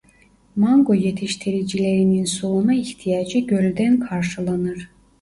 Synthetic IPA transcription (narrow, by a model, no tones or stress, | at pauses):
maŋɡo̞je̞t̪ʰiʃt̪ʰiɾid͡ʒilʲe̞ɾininsolˠunaiçt̪ʰijaːd͡ʒɯɟølʲd̪ænkʰaɾʃɯlˠanɯɾ̥